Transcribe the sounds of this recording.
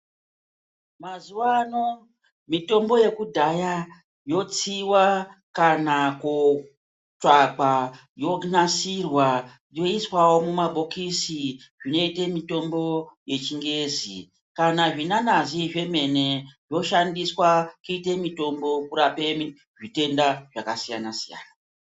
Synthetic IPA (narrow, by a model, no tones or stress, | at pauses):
mazuwano̞ | mito̞mbo̞je̞kudʱaja | jo̞t͡siwakanako | t͡ʂak͡pa | jo̞nasirwa | jo̞iswawo̞mumabʱokisi | ʐino̞itemito̞mbo̞je̞t͡ʃiŋɡe̞zḭ | kanaʐinanaziʐe̞me̞ne̞ʐo̞ʃandiswakuite̞mito̞mbo̞kuɾape̞mi | ʐite̞ndaʐakasija̰nasija̰ːna